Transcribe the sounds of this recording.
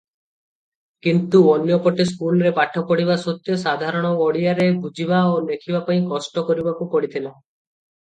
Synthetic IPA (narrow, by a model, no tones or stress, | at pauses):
kint̪uonjɔkɔʈes̬kulɾepaʈʰːɔkɔɽiβasɔt̪jɔsad̪ʱaɾɔɽ̃ɔɔɽiaɾebʱud͡ʒibaolekʰibapaĩkɔsʈɔkɔɾibakupɔɽit̪ʰila